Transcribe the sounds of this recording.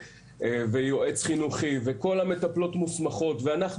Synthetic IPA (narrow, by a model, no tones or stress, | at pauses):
vejoʔe̞t͡sχinuχive̞ko̞lame̞t̪aplo̞tmusmaχo̞tveanaχ